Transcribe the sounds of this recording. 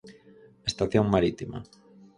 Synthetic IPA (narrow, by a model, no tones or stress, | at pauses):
est̪aθjoŋmaɾit̪ima̰